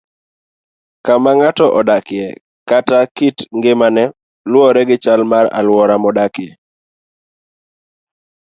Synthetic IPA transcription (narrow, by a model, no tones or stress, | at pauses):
kamaŋatɔʔɔdakɪjɛ | katakitŋɡɪmanɛ | lwɔɾɛɡɪt͡ʃalmaɾa̰lwɔɾamɔdakɪɛ